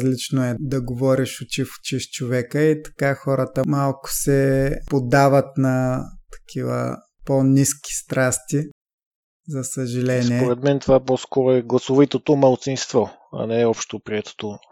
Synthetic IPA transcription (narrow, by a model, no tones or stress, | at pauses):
zlit͡ʃnoɛd̪ɐɡovɔɾiʃʊt͡ʃifʊ̥t͡ʃiʃt͡ʃovɛkəit̪ɐ̥kaxɔɾət̪əmalˠkʊ̥sɛpod̪avət̪nɐt̪ɐ̥kʰivə̰ | pɔnʲiskʲi̥st̪ɾast̪i | zɐsəʒɐlɛniɛpoɾɛt̪mɛnt̪ovapɔskɔɾoɛɡlˠɐsovit̪ot̪omɐlˠt̪sinst̪vɔ | ɐ̰nɛɛɔpʃt̪opɾiɛt̪o̥t̪o